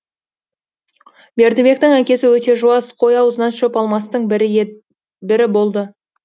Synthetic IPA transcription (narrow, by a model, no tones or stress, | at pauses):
be̞ɾd̪ebʲe̞k̚t̪ɪŋækʲe̞sɪwɵt̪e̞ʒuɑsqʰo̞jɑwəzənɑnʃɵpɑlˠmɑst̪əɴ | bɪɾɪbo̞lˠd̪ə